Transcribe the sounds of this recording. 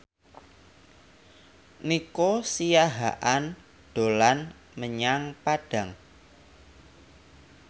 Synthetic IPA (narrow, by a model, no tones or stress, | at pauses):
nikosijaɦaʔan | ɖ̥olan | məɲaŋpaɖ̥ä̤ŋ